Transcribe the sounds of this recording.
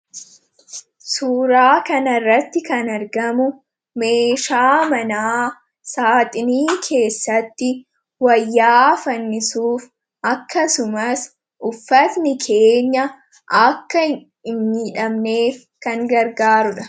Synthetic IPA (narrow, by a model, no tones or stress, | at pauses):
suːɾaːkɐnɐrːɐt̪ːɪkɐnɐɾɡɐmʊ | me̞ːʃaːmɐnaː | saːt̪ʼɪniːkʰe̞ːsːɐt̪ːɪ | wɐjːaːfɐnːɪsuːf | ʔɐkːɐsʊmɐs | ʔʊfːɐt̪nɪkʰe̞ːɲːɐ | ʔɐkːɐ | ɪnːiːᶑɐmne̞ːf | kɐŋɡɐɾɡaːɾʊᶑɐ̥